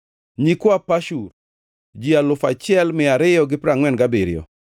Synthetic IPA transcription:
ɲikwapaʃur | d͡ʒialʊfat͡ʃɪɛlmɪaɾɪjɔɡɪpɾaŋwɛnɡabiɾjɔ̰

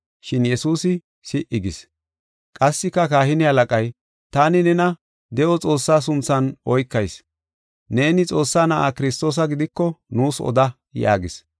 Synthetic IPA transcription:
ʃɪnjɛsuːsɪ | sɪʔɪɡɪs | kʼɐsːɪkːɐkaːhɪnɪhɐlɐkʼɐj | t̪aːnɪnɛnɐ | d̪ɛʔɔt͡sʼo̞ːsːaːs̬ʊnt͡sːɐnʔɔjkːɐjs | ne̞ːnɪt͡sʼo̞ːsːaːnɐʔaːkɪɾɪst̪o̞ːs̬ɐɡɪd̪ɪkːɔnuːsɔ̰d̪ɐ | ja̰ːɡɪs

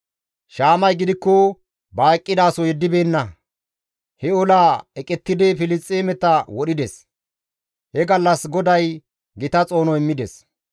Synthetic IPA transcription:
ʃaːmɐjɡɪd̪ɪkːɔ | baːkʼːɪd̪aːsɔjɛd̪ːɪbe̞ːnːɐ | hɛɔlaːɛkʼɛt̪ːɪd̪ɛfɪlɪst͡sʼːeːmɛt̪ːɐwɔɗɪd̪ɛs | hɛɡɐlːɐsɡɔd̪ɐj | ɡɪt̪ɐt͡sʼo̞ːnɔɪmːɪd̪ɛs

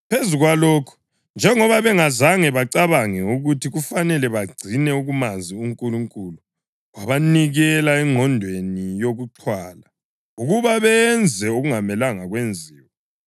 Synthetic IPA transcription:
pʰezuɣwalɔːkʰu̥ | nd͡ʒʱɛŋɔβaβɛŋazaŋɛβaǀaβaŋɛuɣutʰiɣufanɛlɛβaɡ͡ǀʱinɛuɣumaziuŋkʼuluŋkʼulu | waβaniɣɛlaɛŋʱɔndʱwenijoɣuǀʰwala | uɣuβaβɛnd͡zʱɛuɣuŋamɛlaŋaɣwend͡zʱiːwɛ

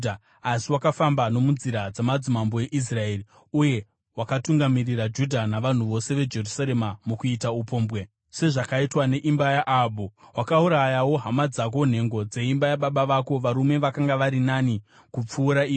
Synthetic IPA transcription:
a | asiwakafambano̞mund͡ziɾad͡zamad͡zimamboe̞ʔis̬rae̞ːri | uje̞ | wakatuŋɡamirirad͡ʒudʱanaʋan̤uʋo̞se̞ʋe̞d͡ʒe̞rusaɾe̞mamukuitaupo̞ːmbwe | se̞ʐakaitwane̞ʔimbajaʔabuwakauɾajawo̞ɦamad͡zak̬o̞n̤e̞ŋɡo̞d͡ze̞imbajaɓaɓaʋako̞ʋaɾume̞ʋakaŋɡaʋaɾinani | kup͡fuːɾaiː

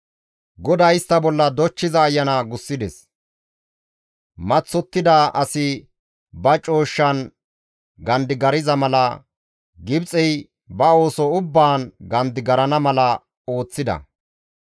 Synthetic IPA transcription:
ɡɔd̪ɐjɪst̪ːɐbɔlːɐd̪ɔt͡ʃːɪzɐːjːɐnaɡʊsːɪd̪ɛs | mɐt͡sːɔt̪ːɪd̪aːʔɐsɪ | bɐt͡ʃʼo̞ːʃːɐn | ɡɐnd̪ɪɡɐɾɪzɐmɐlɐ | ɡɪbt͡sʼɛj | bɐo̞ːsɔʊbːaːnɡɐnd̪ɪɡɐɾɐnɐmɐlɐ | o̞ːt͡sːɪd̪ɐ̰

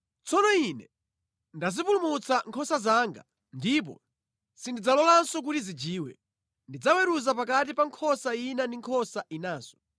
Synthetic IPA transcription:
t͡sɔnɔinɛ | ndazipulumut͡saŋkʰɔsazaːŋɡa̰ | ndip̬ɔ̰ | sindid͡zalɔlansɔk̬utizid͡ʒiːwɛ̰ | ndid͡zawɛɾuzapakat̬ipaŋkʰɔsainandiŋkʰɔsainaːzɔ̥

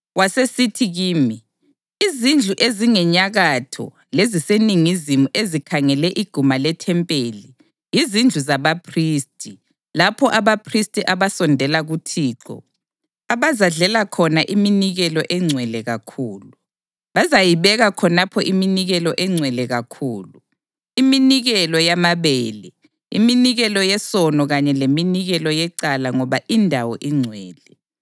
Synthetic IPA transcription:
wasesitʰiɣiːmi | izind͡ɮʱuʔeziŋɛɲaɣatʰɔ̰ | leziseniŋizimuʔezikʰaŋɛlɛʔiɡ̥ʱumalɛtʰɛmpʼeːli | jizind͡ɮʱuzaβapʰriːstʰʼi | lapʰɔʔaβapʰristʼiʔaβasɔndʱɛlaɣutʰiːǁɔ̰ | aβazaɮɛlakʰɔnaʔiminiɣɛlɔʔɛŋ͡ǀʱwɛlɛɣakʰuːlu | βazajiβɛɣakʰɔnapʰɔʔiminiɣɛlɔʔɛŋ͡ǀʱwɛlɛɣakʰuːlu | iminiɣɛlɔjamaβɛːlɛ | ḭminiɣɛlɔjɛsɔnɔɣaɲɛleminiɣɛlɔjɛǀalaŋɔβaʔindʱawɔ̰ʔiŋ͡ǀʱwɛːlɛ

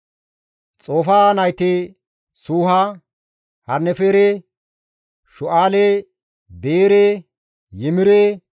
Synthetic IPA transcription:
t͡sʼo̞ːfaːnɐjt̪ɪ | suːɦɐ | hɐɾnːɛfeːɾe | ʃʊʔaːle | beːɾe | jɪmɪɾeː

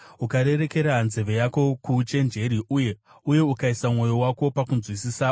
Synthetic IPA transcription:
ukaɾe̞ɾe̞ke̞ɾanze̞ʋe̞jako̞kut͡ʃe̞nd͡ʒe̞ɾiʔuje | uje̞ukaisamŋo̞jo̞wako̞pakunzwisisa

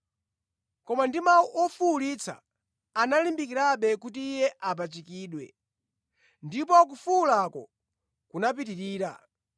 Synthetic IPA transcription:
kɔmandimauʔɔfuːlit͡sʰa̰ː | nalimbikiɾaɓɛkutiːjɛʔapat͡ʃikiːɗwɛ̰ | ndip̬ɔk̬ufuːlakɔ̰ | kunap̬itiɾiːɾa̰

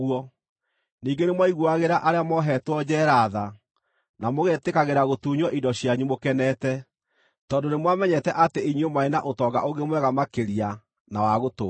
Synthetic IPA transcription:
uɔ | niːŋɡenemwaiɣwuaɣeɾaʔaɾeamɔɦɛtwɔd͡ʑɛːɾaða | namoɣetekaɣeɾaɣotuːɲwɔʔidɔɕjaɲumokɛnɛtɛ | tɔːndonemwamɛɲɛtɛʔateiɲwemaenaʔotɔːɡa̰ʔoŋɡemwɛɣamakeɾia | nawaɣoto

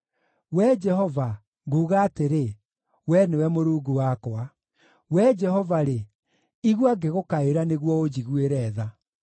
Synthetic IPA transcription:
wɛd͡ʒɛɦɔva | ŋɡuːɣaːteɾe | wɛnewɛmoɾuːɡuwakwa | wɛd͡ʒɛɦɔvaɾe | iɣwaɡeɣokaeɾaneɣwɔod͡ʑiɣweɾɛːða

